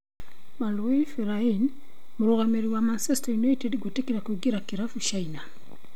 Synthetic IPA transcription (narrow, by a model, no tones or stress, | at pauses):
malefeɾain | moɾɔɣameɾiwamansestajunaitedɡotekiɾakwiɡiɾakiɾafut͡ʃaina